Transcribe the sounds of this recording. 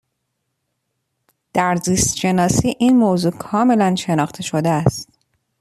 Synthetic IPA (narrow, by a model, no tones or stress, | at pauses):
d̪̥æɾziːst̪ʃe̞nɒːsiːʔiːnmoːzuːkʰɒːme̞lænʃe̞nɒːxt̪ʰe̞ʃo̞d̪eæst̪